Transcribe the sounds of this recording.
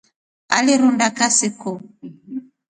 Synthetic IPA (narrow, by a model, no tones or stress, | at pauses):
a̰liɾundakasikɔ